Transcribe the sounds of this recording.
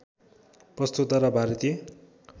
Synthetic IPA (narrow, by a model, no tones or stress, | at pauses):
prʌst̪ut̪ʌɾʌbʱaɾʌt̪e